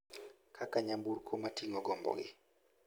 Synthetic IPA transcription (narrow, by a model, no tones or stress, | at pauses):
kʰakaɲambuɾkʰomatiŋɔɡɔmbɔ̰ɡɪ̰